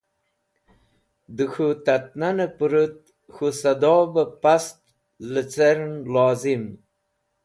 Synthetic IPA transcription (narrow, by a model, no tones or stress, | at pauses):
d̪əxut̪at̪̚nanapuɾut̪̚ | xusad̪ɔːbapast̪ | lət͡saɾnlɑːzim